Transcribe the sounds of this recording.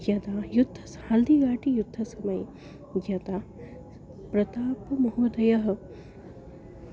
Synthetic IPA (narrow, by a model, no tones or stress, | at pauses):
d͡ʒɐt̪aːjud̪ʱːɐshɐld̪iɡaːʈijud̪ʱːɐsɐmɐj | d͡ʒɐt̪aː | pɾɐt̪aːpɐmɐɦoːd̪ɐjɐɦɐ̆